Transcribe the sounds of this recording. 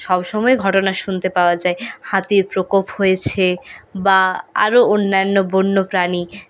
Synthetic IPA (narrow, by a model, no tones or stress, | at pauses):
ʃɔbʃɔmɔeɡʱɔʈonaʃunt̪epaoad͡ʑaehat̪iɾpɾokophojet͡ɕʰebaa̰ɾoonːanːobonːopɾani